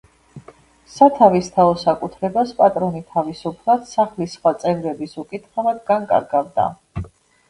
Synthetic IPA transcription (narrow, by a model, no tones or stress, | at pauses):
sat̪ʰavist̪ʰaɔsakʼut̪ʰɾɛbaspʼat̪ʼɾɔnit̪ʰavisupʰlˠad̪̥saχlisχwat̪sʼɛvɾɛbisukʼit̪χamad̪ɡaŋkʼa̰ɾɡavd̪a̰